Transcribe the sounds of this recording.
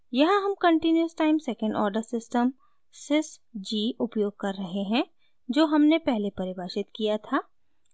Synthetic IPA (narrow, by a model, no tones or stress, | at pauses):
jɐɦãɦɐmkɐ̃ɳʈinjəsʈaːɪmsɛːkə̃ɳɖɔ̰ːɾɖəɾsɪsʈəm | sɪsd͡ʒiːʔʊpjoːɡ̚kɐɾːɐɦeɦɛ̃ | d͡ʒoːɦɐmnepɛɦlepɐɾɪbaːʃɪt̪kijat̪ʰaː